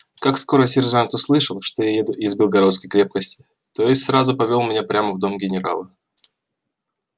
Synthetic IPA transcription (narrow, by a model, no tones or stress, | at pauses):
kaksko̞ɾəsʲɪrʐant̪ʊslˠɨʂəlˠʂt̪ojajed̪ʊʔɪzbʲɪlˠɡɐɾo̞t̪skəjkɾʲe̞p̚kəsʲtʲɪ | t̪o̞jɪsʲtʲsɾazʊpɐvʲo̞lˠmʲɪnʲapɾʲaməvd̪o̞mɡʲɪnʲɪɾa̰lˠə